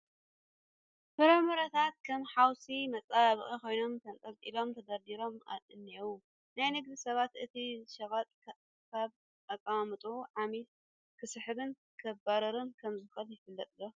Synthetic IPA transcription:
fɨɾɐmɐɾɐt̪ʰat̪̚kʰɐmħawsimɐt͡sʼaβɨχʼikʰo̞jno̞mt̪ʰɐnt̪ʼɐlt̪ʼilo̞mt̪ʰɐd̪ad̪iɾo̞ma̰lɨnːew | najnɨɡd̪ɨsɐβat̪ɨt̪ʰiʃɐβat̪ʼ | kʰaβ | ʔakʼːamɨt̪ʼuʕamit̪ | kʰɨsɨħɨβɨn | kʰɐbaɾɐɾɨnkʰɐmzɨkɐljɪfɨlːɐt̪ʼɨlːo

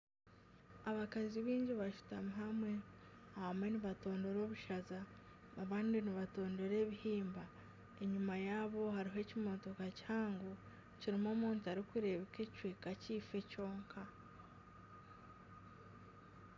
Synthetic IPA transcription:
aβakaziβiːɲɟiβaʃu̥tamuɦamwe̞ | ahamwe̞niβato̞ːnde̞ɾo̞βuʃazaː | βaːndiniβato̞ːnde̞ɾe̞ːβihiːmba | e̞ɲumajaːβo̞haɾiɦe̞cimo̞to̞kaci̥haːŋɡo | ciɾimo̞ːmuːntaɾikuɾe̞βeke̞cwiːkaciːfe̞co̞ːŋkʰa

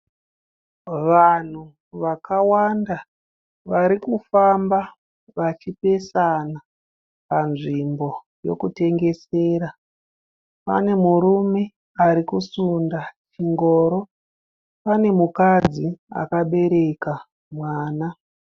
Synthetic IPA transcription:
ʋan̤u | ʋakawanda | ʋaɾikufamba | ʋat͡ʃipe̞sana | panʐimbo̞ | jo̞̰kute̞ŋɡe̞seːɾa | pa̰ne̞muɾume̞ | aɾikusundat͡ʃiŋɡo̞ːɾo̞ | pane̞mukad͡zia̰kaɓe̞ɾe̞ka | mwaːna

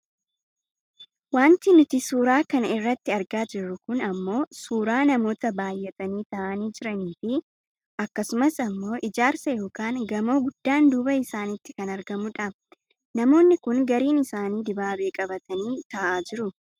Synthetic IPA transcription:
waːnt̪ɪnʊt̪ɪsuːɾaːkɐnɪrːɐt̪ːɪɐɾɡaːd͡ʒɪrːʊkʊnɐmːo̞ːsuːɾaːnɐmo̞ːt̪ɐbaːjːɛt̪ɐniːt̪ɐʔɐniːd͡ʒɪɾɐniːfɪ | ʔɐkːɐsʊmɐsɐmːo̞ːʔɪd͡ʒaːɾsɐjo̞ːkaːŋɡɐmo̞ːɡʊd̪̥ːaːnd̪uːbɐɪsaːnɪt̪ːɪ̥kɐnɐɾɡɐmʊᶑɐ | nɐmo̞ːnːɪkʊŋɡɐɾiːnɪsaːniːd̪ɪbaːbe̞ːkʼɐbɐt̪ɐniːt̪ɐʔaːd͡ʒɪɾʊ

